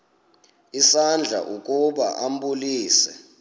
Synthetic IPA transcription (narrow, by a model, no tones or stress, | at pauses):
isand͡ɮʱa̰ʔukʼuɓa̰ʔam̩buliːsɛ̰